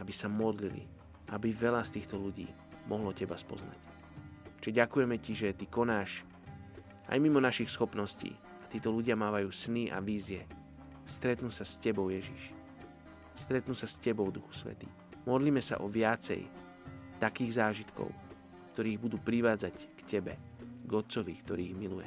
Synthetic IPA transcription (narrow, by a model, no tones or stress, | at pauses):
abisamɔd̪lilḭ | ʔabiʋɛlast̪iːxt̪ɔluɟḭː | mʔɔɦlɔcɛbaspɔ̰zna̰c | ʒ̥ɛɟakujɛmɛciʒɛt̪ikɔnaːʃ | ʔa̰jmimɔnaʃixsxɔpnɔscḭː | at̪iːt̪ɔluɟɪamaːʋajuːsniʔa̰ʋiːzɪɛ | st̪ɾɛt̪nuːsascɛbɔʊjɛʒḭʃ | st̪ɾɛt̪nuːsascɛbɔʊd̪uxu̥sʋɛ̰t̪ḭː | mɔd̪liːmɛsa̰ʔɔʋɪat͡sɛ̰j | t̪akiːɣzaːʒit̪kɔ̰ʊ | kt̪ɔɾiːɣbud̪uːpɾiʋaːd͡zackcɛbɛ | ɡɔt͡sɔʋikt̪ɔɾiːiɣmilujɛ̰